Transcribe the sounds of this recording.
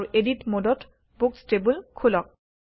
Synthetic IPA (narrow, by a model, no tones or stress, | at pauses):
uʔeditmodɔt | bukstebulkʰulɔk̚